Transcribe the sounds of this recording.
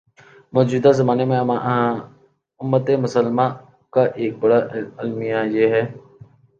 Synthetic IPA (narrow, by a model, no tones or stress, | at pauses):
mɔːd͡ʒuːd̪azəmaːnemẽã | ʊmːət̪emʊsəlmãː | kaːʔeːk̚bəɽaːɪlmɪjajeːɦɛː